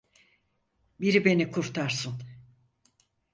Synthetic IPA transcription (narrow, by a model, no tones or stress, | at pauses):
biɾibe̞nikʰuɾt̪ʰaɾsun